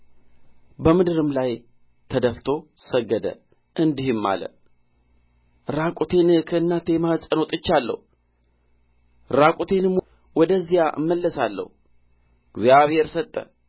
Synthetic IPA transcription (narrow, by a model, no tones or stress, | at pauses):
bəmɨd̪ɨɾɨmlaj | t̪ʰəd̪əft̪ʰo̞səɡːəd̪ə̰ | ʔɨnd̪ihɨmːa̰lə̰ | ɾakʼut̪ʰe̞nkʰəɨnːat̪ʰeməhsʼəno̞t̪ʼɨt͡ʃːalːə̰hu | ɾakʼut̪ʰe̞nɨm | wɔd̪əzːijaʔɨ̰mːəlːəsalːə̰hu | ɡzjaβhe̞ɾsət̪ʼːə̰